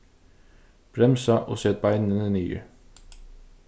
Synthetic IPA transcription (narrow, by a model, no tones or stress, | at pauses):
b̥ɾɛmsɑʔo̰ːseːt̪̚bæɪnənəniːə̰